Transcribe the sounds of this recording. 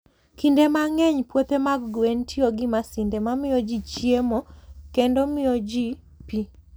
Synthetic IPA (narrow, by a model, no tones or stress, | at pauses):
kindemaŋɛɲpwot̪emaɡɡwentʰɪoɡɪmasɪndemamɪjɔd͡ʒit͡ʃjemokendɔmɪjɔd͡ʒi | pi